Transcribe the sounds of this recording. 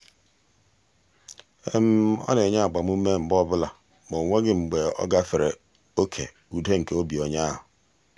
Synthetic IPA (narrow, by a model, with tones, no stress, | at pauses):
e˦m̩˦ɔ̰˦ne˨ɲa˦a˨ɡ͡ba˨m˦u˦me˦ŋ͡m̩˨bɔ˦bʊ˦la˨ | mo˨ŋʷe˦ɡɪ˦ŋ͡m̩˨ɡ͡be˨ɔ̰˦ɡa˦fɪ˨ɾe˨ | o˦kʰḛ˨ | u˨de˦ŋ̩˨ke˦o˦bi˨o˨ɲa˦ɦʊ˨